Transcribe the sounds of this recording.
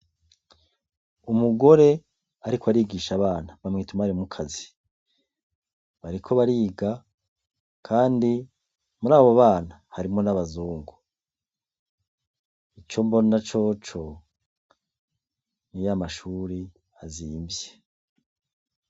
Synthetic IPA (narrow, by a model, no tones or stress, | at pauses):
umuɡo̞ɾe̞ | aɾikʰoaɾiːɡiːʃaβaːnaβamŋiːtumaaɾimukʰazi | βaɾikʰo̞βaɾiːɡa | kʰaːndi | muɾaːβoaβaːnahaɾimŋo̞naβazuːŋɡu | it͡ʃo̞mbo̞nat͡ʃo̞t͡ʃo̞ | nijamaʃuːɾi | aziːmbje